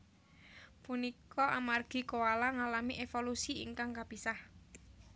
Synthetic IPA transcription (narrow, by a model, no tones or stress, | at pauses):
punikɔʔamarɡ̥i̤kowalaŋalamiʔefolusiḭŋkaŋkapisah